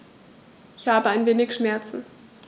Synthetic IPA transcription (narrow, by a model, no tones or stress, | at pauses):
ʔɪçhaːbəaɪnveːnɪçʃmɛɐt͡sn̩